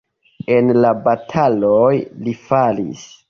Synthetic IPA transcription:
e̞nlabatʰalojlifalḭs

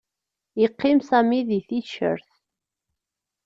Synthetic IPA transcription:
jiqːɪmsæmiðiθiʃə̰ɾθ

